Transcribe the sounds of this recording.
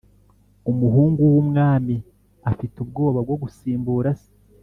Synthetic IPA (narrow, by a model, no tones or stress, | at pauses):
umuɦuːŋɡuwumŋaːmi | afitubɡo̞ːβab̚ɡo̞ɡusiːmbuːɾasi̥